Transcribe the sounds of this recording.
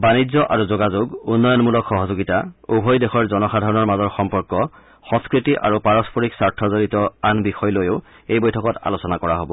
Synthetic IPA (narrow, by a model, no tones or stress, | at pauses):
banizɔʔaɹuzoɡazoɡunːɔjɔnmulɔkxɔɦɔzoɡitaubʱojdexɔɹzɔnɔxadʱaɹɔnɔɹmazɔɹxɔmpɔɹkɔ | xɔ̃skɹitiʔa̰ɹupaɹɔspʰɔɹiksaɹtʰɔzoɹitɔanbixɔjlojoʊ | ejbojtʰɔkɔta̰losɔnakɔɹaɦobɔ